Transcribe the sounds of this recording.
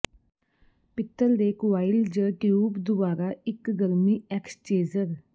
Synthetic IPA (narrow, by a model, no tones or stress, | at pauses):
pɪt̪ːəɾd̪eːkʋaːɪld͡ʒəʈijuːbd̪ʊbaːɾaːɪkɡəɾmiːɛkst͡ʃeːzəɾ